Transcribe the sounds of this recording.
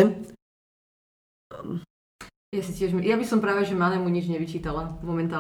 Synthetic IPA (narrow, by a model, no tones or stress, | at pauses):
ɛ | jasicɪɛʒmjabisɔmpɾaːʋɛʒɛmanɛmuɲid͡ʒɲɛʋit͡ʃiːt̪alamɔmɛnt̪aː